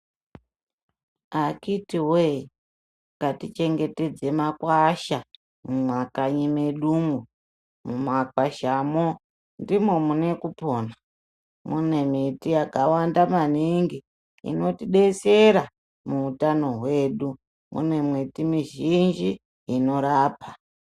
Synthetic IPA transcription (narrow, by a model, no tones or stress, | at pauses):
akitiwe | katit͡ʃe̞ŋɡe̞te̞d͡ze̞makwaʃa | mumakaɲimeɗumu | mumakwaʃamo | ndimo̞mune̞kupo̞ːna | mune̞mitijakawandamaniŋɡi | ḭno̞tiɗe̞seɾa | muutano̞ɦwe̞ːɗu | mṵne̞mwitimiʒind͡ʒi | ino̞ɾaːpa